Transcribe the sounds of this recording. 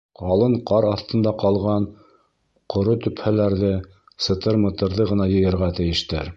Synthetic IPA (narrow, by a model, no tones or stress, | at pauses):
qʰɑlˠɤɴqɑɾɑθt̪ɤ̆nd̪ɑqɑlˠʁɑn | qŏɾot̪ɵ̆phælæɾðɘ | sɤ̆t̪ɤɾmɤ̆t̪ɤ̆ɾðɤʁɤ̆nɑjɤ̆jɤ̆ɾʁɑt̪ɘ̆jɘ̆ʃt̪æ̰ɾ